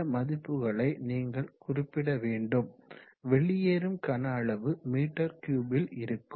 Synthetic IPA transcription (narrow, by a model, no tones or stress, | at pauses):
ɐmɐðɪpːɯɣɐɭɐɪniːŋɡɐɭkʊrɪpːɪɽɐʋeːɳɖɯm | ʋɛɭːɪjeːɾɯmkɐnaːɭɐʋɯmiːʈːɐɾkjuːbɪlɪɾɯkːɯ